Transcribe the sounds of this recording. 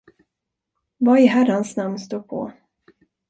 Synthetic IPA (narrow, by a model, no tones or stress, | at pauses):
vaɪhæɾansnamnst̪uːɾpʰɔ̰